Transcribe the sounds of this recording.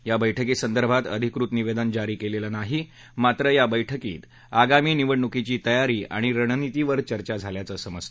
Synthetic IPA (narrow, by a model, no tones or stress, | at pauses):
jabəjʈʰəkiːsənd̪əɾbʱat̪ə̰d̪ʱikɾut̪niʋed̪ənd͡ʑaɾiːkelelənaɦi | mat̪ɾəjabəjʈʰəkḭːt̪ | aɡamiːniʋəɽɳukit͡ɕiːt̪əjaɾiːʔa̰ɽ̃iɾəɽ̃nit̪iʋəɾt͡ɕəɾt͡ɕad͡zʱaljat͡səsəməst̪